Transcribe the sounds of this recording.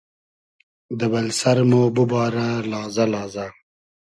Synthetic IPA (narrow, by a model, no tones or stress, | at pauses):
d̪əbɐlsɐɾmoːbubɑːɾalɑːzɐlɑːza